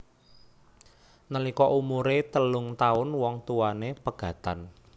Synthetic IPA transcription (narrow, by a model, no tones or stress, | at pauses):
nəlikɔʔumuɾet̪əlʊŋt̪aʊnwɔŋt̪uwanepəɡ̥ä̤t̪an